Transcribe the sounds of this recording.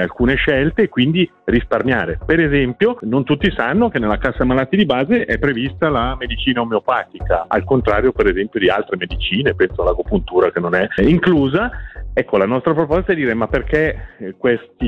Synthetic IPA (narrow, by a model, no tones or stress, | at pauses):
alkuːneʃɛlt̪eːkwind̪i | risparmja̰ːɾepeɾezɛmpjonont̪ut̪ːisanːokenːelːakasːamalat̪ːid̪ibaːzeʔɛpːɾevist̪alamed̪it͡ʃiːnaomeopaːt̪ikaa̰lkont̪ɾaːɾjopeɾezɛmpjod̪ia̰lt̪ɾemed̪it͡ʃiːnepɛnsoalːakopunt̪uːɾakenonɛiŋkluːzaɛkːolanɔst̪ɾapɾopɔst̪ad̪iːɾemapːerkekwest̪i